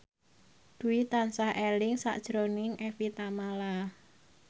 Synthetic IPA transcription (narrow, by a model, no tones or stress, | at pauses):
d̪̥uit̪ansahʔelɪŋsa̰ʔd̥ʒ̥ɾonɪŋɛfit̪amala